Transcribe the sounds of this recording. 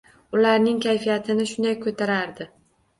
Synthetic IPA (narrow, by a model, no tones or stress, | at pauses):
ʊlaɾnɪŋkʲʰajfijat̪ʰɪnɪʃʊnd̪ajkʰːot̪ʰaɾaɾd̪ɪ